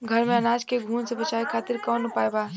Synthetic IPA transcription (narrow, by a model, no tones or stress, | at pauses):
ɡʱəɾmẽɐnaːd͡ʒkeɡʱuːnsebɐt͡ʃaːekʰaːt̪ɪɾkɔːnʊpaːebaː